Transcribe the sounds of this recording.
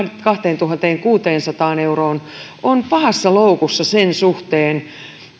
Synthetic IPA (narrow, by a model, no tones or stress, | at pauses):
kɑht̪eːnt̪uɦɑnt̪eːŋkuːt̪eːnsɑt̪ɑːneuroːn | onpɑhɑsːɑloukusːɑsensuht̪eːn